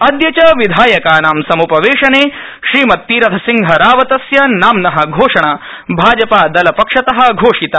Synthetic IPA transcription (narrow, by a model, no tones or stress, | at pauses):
ɐd̪jɐt͡ʃɐʋid̪ʱaːjɐkaːnaːmsɐmupɐʋeːʂɐneː | ʃɾiːmɐt̪ːiːɾɐt̪ʰɐsiŋɡʱɐɾaːʋɐt̪ɐsjɐnaːmnɐɦɐ̆ɡʱoːʂɐɳa | bʱaːd͡ʒɐpaːd̪ɐlɐpɐkʂɐt̪ɐɦɐ̆ɡʱoːʂit̪aː